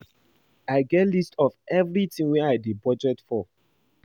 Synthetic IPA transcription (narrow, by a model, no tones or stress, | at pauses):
aɪɡɛtlistʰɔvɛvɹitĩŋwɛ̃aɪdibɔd͡ʒɛtfɔ